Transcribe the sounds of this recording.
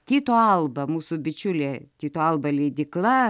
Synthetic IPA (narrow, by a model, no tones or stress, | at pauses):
t̪ʲiːt̪oːɐlˠbɐmuːsubʲɪt͡ʃʲʊlʲeːt̪ʲiːt̪oːɐlˠbɐlʲɛɪd̪ʲɪklˠɐ